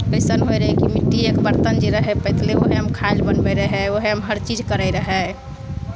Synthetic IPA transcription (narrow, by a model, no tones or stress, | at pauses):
kɾisənɦojɾəɦekimiʈːiekbəɾt̪ənd͡ʒeɾəɦɛpət̪leoɦeəmkʰalbənbəɾəɦɛoɦeɦəmɦəɾt͡ʃid͡ʒkəɾəjɾəɦɛ